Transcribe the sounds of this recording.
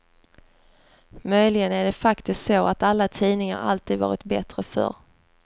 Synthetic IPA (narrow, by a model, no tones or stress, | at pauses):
mœjlɪɡənæɖɛfakt̪ɪskt̪soːʔat̪alːat̪ʰiːnɪŋa̰ɾa̰lt̪ʰiːd̪vɑ̰ːɾɪt̪bɛt̪ɾəfœ̰ɾ